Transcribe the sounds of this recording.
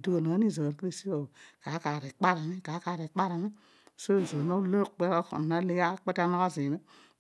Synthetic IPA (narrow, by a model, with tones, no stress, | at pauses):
du˦o˨na˨˦ni˦˨zo˨ɾki˦e˦˨si˦ka˨ka˨˦ka˨ɾi˨k͡pa˦ɾa˨mi˦ka˨˦ka˨ɾi˨k͡pa˦ɾa˨mi˦˨ | so˦˨zo˨no˦lo˦k͡pe˦o˦ko̰˨na˦li˦ɡa˦k͡pe˦ta˦no˦ka˦zi˨me˦